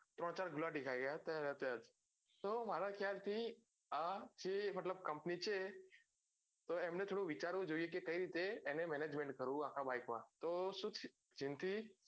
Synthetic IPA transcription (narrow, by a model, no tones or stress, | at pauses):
t̪ɾɔɽ̃t͡ʃaɾɡʱʊlaɖɪkʰajɡəjat̪əɾət̪ːd͡ʒ | t̪omaɾakʰjalt̪ʰi | ad͡ʒemət̪ləb̚kəmpnit͡ʃʰe | t̪oeːmnet̪ʰoːɽuʋɪt͡ʃaɾʋod͡ʒoijek̬ekəiɾit̪eːnemɛned͡ʒmẽɳʈ̚kəɾũãkʰabaːɪkʋãt̪osut̪ʰ | d͡ʒɪnt̪i